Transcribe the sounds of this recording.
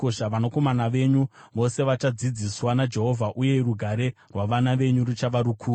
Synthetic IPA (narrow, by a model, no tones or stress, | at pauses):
oʃaʋanoko̞manaʋe̞ɲuʋo̞se̞ʋat͡ʃad͡zid͡ziswanad͡ʒe̞ɦo̞vʱaʔuje̞ruɡʱaɾe̞rwaʋanaʋe̞ɲuɾut͡ʃaʋaɾukʰuː